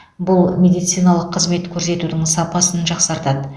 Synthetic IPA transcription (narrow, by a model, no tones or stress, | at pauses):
bʊlˠmʲe̞d̪ijt̪sɨjnɑlˠəqʰːəzme̞t̪kʲʰɵɾse̞t̪ud̪ɪŋsɑpɑsənʒɑqsɑɾt̪ɑd̪ə